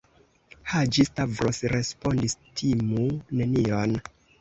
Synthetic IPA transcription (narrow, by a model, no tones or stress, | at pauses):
had͡ʒistavɾosɾe̞spondistʰimune̞nion